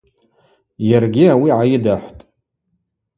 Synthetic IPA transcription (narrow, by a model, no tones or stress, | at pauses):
jarɡʲɪawiʕajɪdaħʷtʼ